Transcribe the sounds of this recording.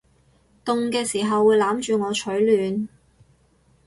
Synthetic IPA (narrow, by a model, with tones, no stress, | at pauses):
t̪ʊ˨˧ŋkɛː˧siː˨˩ɦɐ˨wːuː˨˧jlaː˨˥mt͡ʃyː˨˧ŋɔː˨˧t͡ʃʰɵ˨˥ɥlyː˨n